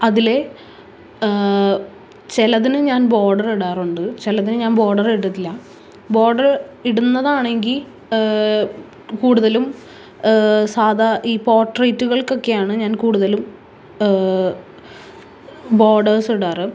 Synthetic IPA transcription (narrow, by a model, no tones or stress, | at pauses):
ɐðile̞ | t͡ɕelɐðinɨɲaːnbo̞ːɖɐriɽaːruɳɖɨt͡ɕelɐðinɨɲaːnbo̞ːɖɐriɽut̪ːilːɐ | bo̞ːɖɐriɽunːɐðaːɳe̞ŋɡil | kuːɽuðɐlum | saːd̪ʱaʔiːpo̞ːrʈrɐjtːuɣɐɭko̞kːe̞jaːɳɨɲaːnkuːɽuðɐlum | bo̞ːɖɐrsiɽaːrɨ